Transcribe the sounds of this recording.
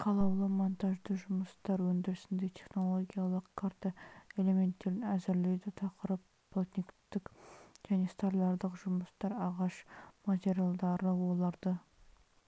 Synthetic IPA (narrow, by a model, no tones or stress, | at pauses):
qʰɑlˠɑwlˠəmont̪ɑʒd̪əʒʊməst̪ɑɾwɵnd̪ɪɾɪsɪnd̪e̞t̪ʰe̞χno̞lˠo̞ɡʲijalˠəqkʰaɾt̪ae̞le̞me̞nt̪ːe̞ɾɪnæzɪɾled̪ɪt̪ʰɑqəɾəp | b̥ʰolt̪ʲnʲikt̪ɪkʒ̥æne̞st̪ɑɾlˠɑɾd̪əqʒʊməst̪ɑɾɑʁɑʃmat̪ʲeɾʲijalˠd̪ɑɾəwolˠɑɾd̪ə